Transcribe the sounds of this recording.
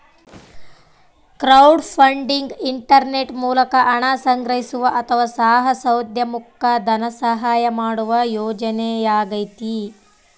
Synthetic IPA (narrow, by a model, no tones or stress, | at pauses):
kɾɐwɖpʰɐɳɖiŋɡiɳʈɐɾneʈmuːlɐkɐʔɐɳasɐŋɡɾɐɦisuʋɐʔɐt̪ʰɐʋasaːɦɐsɐwd̪ʱjɐmukʰːɐd̪ʱɐnɐsɐɦaːjɐmaːɽuʋɐjoːd͡ʒɐnejaːɡɐjt̪i